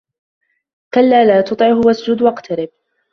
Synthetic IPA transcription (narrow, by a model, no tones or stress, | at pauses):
kalːaːlaːt̪ʊt̪ˤʕɪhʊwasʊd͡ʒʊd̪wɑqt̪ʰaɾɪb̚